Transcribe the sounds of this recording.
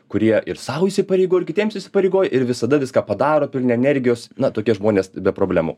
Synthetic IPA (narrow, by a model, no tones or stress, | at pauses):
kʊɾʲiɛɪrsɐʊiːsʲɪpɐɾʲɛɪɡoːjɪkʲɪt̪ʲiɛmsɪsʲɪ̥pɐɾʲɛɪɡoːjɛʔɪɾʋʲɪsɐd̪ɐʋʲɪskaːpɐd̪ɑːɾoːpʲɪlʲnʲɛɛnʲɛɾʲɡʲɪjoːsnɐt̪oːkʲiɛʒmoːnʲeːsbʲɛpɾoːbʲlʲæmʊ̰